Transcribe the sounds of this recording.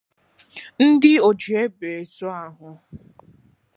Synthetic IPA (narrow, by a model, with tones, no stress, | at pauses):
n̩˦dɪ˦o˨d͡ʒi˨e˦be˨e˨so˦a˦ɦʊ˦